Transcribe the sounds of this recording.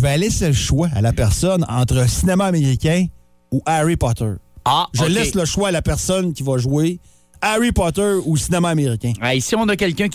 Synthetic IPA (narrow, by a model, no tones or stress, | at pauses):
vɛlɛselʃwaa̰lapɛʁsɔnɑ̰̃ːt̪χəsinemaːmeʁikʲɛ̃ | uʔaʁipɑt̪ə̰˞aʒəlɛsləʃwaːlapɛʁsɔnkʲivaʒwe | aʁipɑt̪ɜ˞usinemaːmeʁikʲɛ̃ɛisiɔ̃nʌkʲɛlkʲœ̃